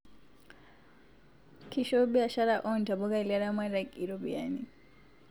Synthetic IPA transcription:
kʰiʃɔbiaʃaɾaʔɔntabɔɡailaɾamaɾakiɾɔbḭani

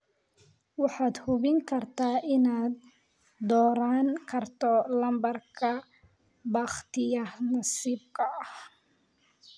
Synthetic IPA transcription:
wɑħɑːd̪hʊβɪŋkʰɐrt̪ʰaːʔɪnaːd̪ː | ɔːɾaːŋkʰɐrt̪ʰɔlɐmbɐrkʰɐ | bɑːχt̪ʰɪjɐnɐsiːb̚kʰɐɐh

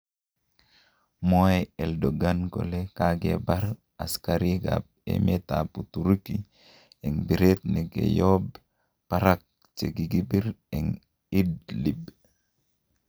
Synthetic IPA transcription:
mojɛldoɡanɡo̰lekaɡebaɾ | askaɾiɡa̰b̚ | ḛmetaputuɾiki | ɛŋbiɾet̪neɡḛjob | paɾak̚ | t͡ʃeɡiɡibiɾɛŋ | idlib

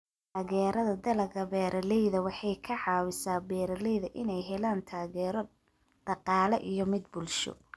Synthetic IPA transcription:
t̪ʰaːɣɛːɾɐðɐd̪ɐlɐɡɐbɛːɾʔɐlɛjðɐwɑħɑjkʰɐʕɑːwɪsaːbɛːɾɐlɛjðɐʔɪnɛjɦɛlaːnt̪ʰaːɣɛːɾɔ | d̪̥ɑqɑːlɛʔijɞmɪd̪̚bʊlʃɔ̰

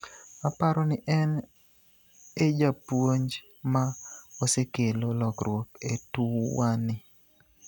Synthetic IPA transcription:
apaɾɔnɪʔɛn | ed͡ʒapwoɲd͡ʒ | maosekelolɔkɾwoketuwanɪ

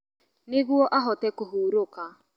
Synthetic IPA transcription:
neɣwɔʔaɦɔtɛkoɦuːɾoka

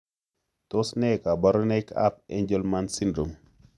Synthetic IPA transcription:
tosnɛkabaɾɔnɛka̰p̚ɛ̰ɲd͡ʒəlmansindɾom

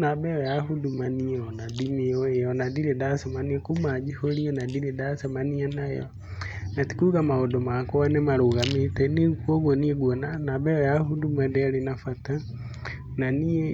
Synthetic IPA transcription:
nabɛɔjaɦudumaniɔnadimioejɔnadiɾedasɛmaniekumad͡ʒiholiɔnadiɾedasɛmaniɛnajɔ̰ | nati̥kuɣamaodomakɔwanɛmaɾoɣametɛnikwoɣonieɡwonanabɛɔjaɦudumadɛɾenafata | nanie

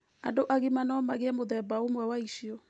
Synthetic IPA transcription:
adoʔaɣimanɔmaɣeɛmoðɛbaomwɛwaiʃiɔ

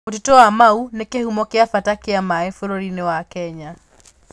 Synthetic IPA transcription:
ot̬etowamaunekehumɔkeafatakeamaɛfoɾoɾinewakɛɲa

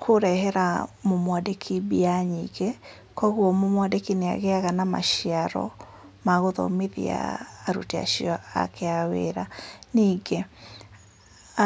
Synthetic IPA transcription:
kʰoɾɛɦɛɾamomwadekʰibiaɲḭɣe | kɔɣwɔmomwadekinea̰ɣeaɣanama̰ʃiaɾɔ̰ | maɣoðɔ̰miðḭa̰ːɾṵtea̰ʃiɔa̰kʰeawḛɾaniːɡe

